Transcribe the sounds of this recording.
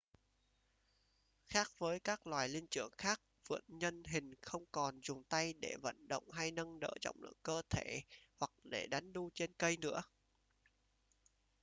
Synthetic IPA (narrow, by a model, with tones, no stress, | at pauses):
xaː˦˥k̚vəː˨˦jkaː˦˥k̚lwaː˨˩jli˧ənt͡ɕɨ˧˩əŋxaː˦˥k̚vɨ̰˧˨˥ənɲə˧nɦï˨˩ŋ̟xə˧wŋ͡mkɔ˨˩nzʊ˨˩ŋ͡mt̪a˧jɗe˧˩və̰˧˨nɗə̰˧˨wŋ͡mɦa˧jnə˧ŋɗə̰ː˧˨zɔ̰˧˨wŋ͡mlɨ̰˧˨əŋkəː˧t̪ʰe˧˩hwa˨˩k̚ɗe˧˩ɗa˨˦ŋɗu˧t͡ɕe˧nkə˧jnɨ̰˧˥ə